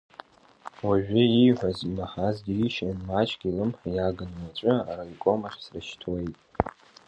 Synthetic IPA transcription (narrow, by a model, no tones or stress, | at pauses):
waʒᶣɪiħʷᶣazimaħazdiiʃanmat͡ʃʼɡʲilɨmħajaɡɨnmat͡ɕʷʼʊa̰raikʷʼomaχʲsraʃtʰwe̞jtʼ